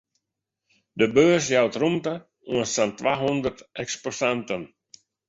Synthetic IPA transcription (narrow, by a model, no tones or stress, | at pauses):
dəbøːs̬jawtrumtə | uənsantʋaːɦɔndərtɛksposantən